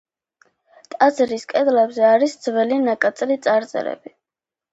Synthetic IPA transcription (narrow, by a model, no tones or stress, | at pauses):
t̪ʼazɾiskʼɛd̪lɛbzɛaɾisd̪zvɛlinakʼat̪sʼɾit̪sʼaɾt̪sʼɛ̰ɾɛ̰bi